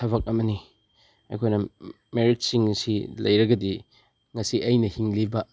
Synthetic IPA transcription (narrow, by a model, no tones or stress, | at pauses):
ɐβɐk̚ɐmɐni | ɐ̰jkʰojnɐ | meɾit̚siŋsilɐ̰jɾɐɡɐdi | ŋɐsiʔɐjnɐhiŋlibɐ